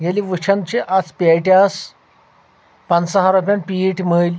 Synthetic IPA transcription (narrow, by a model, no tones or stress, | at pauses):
ɡeliʋəɕʰənd̪t͡ɕeʔat͡speʈjas | pansəɦaɾupʲjanpiːʈm̤əl